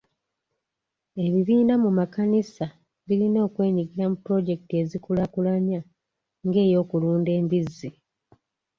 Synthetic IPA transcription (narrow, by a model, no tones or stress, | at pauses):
e̞βiβiːnamumakanisa | βilino̞ːkwe̞ːɲiɡiɾamupɾo̞ɟe̞kte̞zikulakulaɲa | ŋɡe̞ːjo̞ːkuluːnde̞ːmbizːi